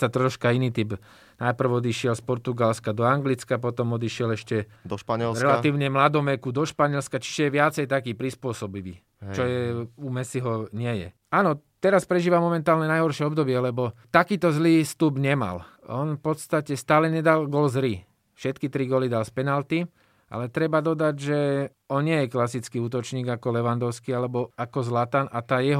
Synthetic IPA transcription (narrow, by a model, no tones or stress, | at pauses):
sat̪ɾɔʃkainiːt̪ib | najpr̩wɔd̪iʃɪɛlspɔɾt̪uɡalskad̪ɔaŋɡlit͡skap̬ɔt̪ɔmɔd̪iʃɪɛlɛʃcɛd̪ʃpaɲɛlɾɛlat̪iːʊɲɛmlad̪ɔmɛkud̪ɔʃpaɲɛlskat͡ʃi̥ʒɛjɛʋɪat͡sɛjt̪akiːpɾispʊɔsɔbiʋḭː | t͡ʃɔjɛumɛsiɦɔɲɪɛjɛ̰ | aːnɔ | t̪ɛɾaspɾɛʒiːʋamɔmɛnt̪aːlɲɛnajɦɔɾʃɪɛɔbd̪ɔbɪɛlɛbɔt̪akiːt̪ɔzliːst̪ubɲɛma̰l | ɔ̰nfpɔt̪st̪acɛst̪aːlɛɲɛd̪alɡɔlzɾi | fʃɛt̪kit̪ɾiɡɔlid̪alspɛnalt̪i | ʔa̰lɛt̪ɾɛbad̪ɔd̪aɟʒɛ | ɔnɲɪɛjɛklasit͡skiːuːt̪ɔt͡ʃɲiːɡakɔlɛʋand̪ɔʊskialɛbɔakɔzlat̪anat̪aːjɛɦ